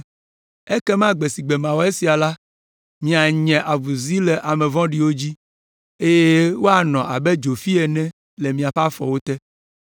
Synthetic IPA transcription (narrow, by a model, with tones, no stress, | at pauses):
e˦kɛ˦mã˦ɡ͡be˨si˨ɡ͡bɛ˨mã˨wo˦e˦si˨a˨la˦ | mĩ˨a˨ɲɛ̃˨ʔa˨vu˨zi˦lɛ˨ʔa˨mɛ̃˨vɔ̃˦ɖi˨wo˦d͡ʑi˦ | e˦jɛe˦wo˦a˦˨nɔ̃˨ʔa̰˨bɛ˦d͡ʒo˨fi˦ɛ˨nɛ̃˦ | lɛ˨mĩ˨a˨ɸa˦fɔ̰˨wo˦t̪ɛ˦